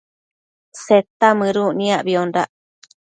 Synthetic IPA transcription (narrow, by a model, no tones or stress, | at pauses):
set̪amɨ̃ɾunĩaʔbiondaʔ